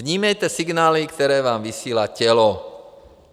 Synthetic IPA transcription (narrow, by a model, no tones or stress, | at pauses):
ɲiːmɛjt̪ɛsiɡnaːlikt̪ɔɾɛːʋaːmʋisiːlacɛlɔ